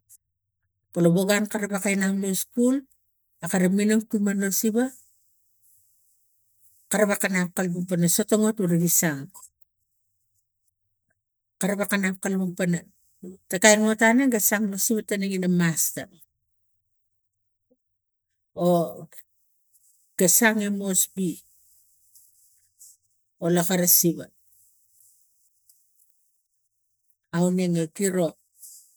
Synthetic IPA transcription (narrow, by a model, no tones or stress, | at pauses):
paloboɡankaɾabakajnamloskul | akaɾaminoŋtumanosiba | kaɾaβakanap̚kalbupanaso̞toŋotuɾaɡisaŋ | kaɾaβakanap̚kalbaɡpana | takajnotaneŋɡasaŋlasiβatːanaɡinamastan | o | ɡ̥asaŋemo̞sbi | olakaɾasiβat | awne̞ŋakiɾo̞